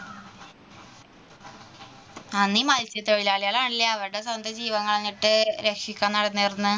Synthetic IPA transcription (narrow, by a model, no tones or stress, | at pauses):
ɐnːimɐlt͡ɕjɐt̪ːoɻilaːɭijaːlaːɳilːɐːʋɐɾɽe̞sɐnd̪ɐd͡ʑiːʋɐŋːɐɭenːiʈːɨɾekʂikʲːaːnːɐɽɐnːirnːɨ